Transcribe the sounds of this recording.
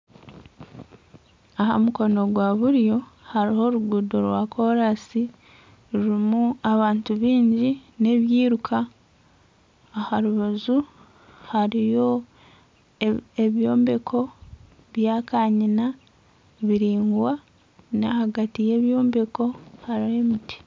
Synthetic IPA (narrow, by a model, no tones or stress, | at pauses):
aha̰muko̞no̞ɡwaβuɾjo̞haɾiho̞ɾuɡuːdoɾwaːkʰo̞ɾasi | ɾuɾimuaβaːntuβiːɲɟine̞βjiːɾukʰa | haɾuβazu | haɾijo̞ | eβjo̞ːmbe̞kʰo̞ | βjaːkaːɲina | βiɾiːŋɡwa | nahaɡatije̞ːβjoːmbe̞ko̞haɾihe̞miti̥